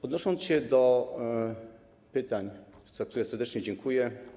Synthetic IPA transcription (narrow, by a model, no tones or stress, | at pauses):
ɔd̪nɔʂɔnt̪sɕɛd̪ɔ | pɘt̪aɲz̥ak̚t̪uɾɛsɛɾd̪ɛt͡ʂɲɛd͡ʑɛŋkʰujɛ